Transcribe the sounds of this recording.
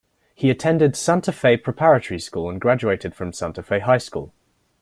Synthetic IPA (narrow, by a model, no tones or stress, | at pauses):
hiətʰɛ̃ndɪdsãntʰəfeɪpʰɹ̥ɪpʰaɹətəɹiskuːlə̃nɡɹad͡ʒueɪtɪd̥fɹə̃msãntʰəfeɪɦaɪskṵːlˠ